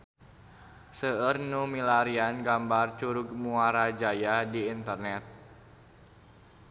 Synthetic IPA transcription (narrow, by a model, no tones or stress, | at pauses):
səərnumilaɾianɡambart͡ʃuɾuɡmuaɾad͡ʒajadiːnt̪ərnɛt̪̚